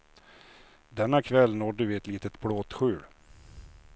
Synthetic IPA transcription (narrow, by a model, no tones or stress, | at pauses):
d̪ɛnːakʰvɛlːnoːɖɵvɪɛt̪liːt̪ət̪bɽoːt̪ɧʉ̟ːɽ